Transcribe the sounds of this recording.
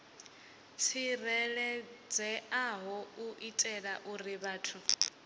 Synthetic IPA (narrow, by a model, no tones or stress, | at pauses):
sirɛlɛd͡zɛaɦɔuʔitʼɛɺaʔuriβaːtʰu